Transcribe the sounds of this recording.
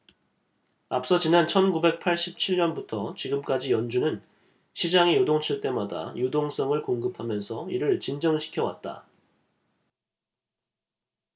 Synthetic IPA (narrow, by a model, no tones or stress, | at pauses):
ap̚s͈ʌt͡ɕinant͡ɕʰʌnɡube̞k̚pʰaɭɕ͈ip̚t͡ɕʰiɭɲʌnbutʰʌt͡ɕiɡɯmk͈ad͡ʑijʌnd͡ʑunɯn | ɕʰid͡ʑaŋejodoŋt͡ɕʰiɭt͈e̞mada̰jodoŋs͈ʌŋɯɭkoŋɡɯpʰamjʌnsʰʌiɾɯɭt͡ɕind͡ʑʌŋɕʰi̥kʰjʌwa̰t̚t͈a̰